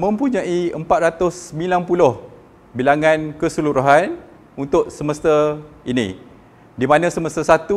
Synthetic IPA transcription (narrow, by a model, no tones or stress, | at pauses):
mə̃mpuɲãiəmpat̪̚ɾat̪ʊsːəmĩlanpulʊh | bilaŋankəsəluɾuɦan | unt̪ʊʔ̚səməst̪ainḭ̃ | dimanãsəməst̪asat̪u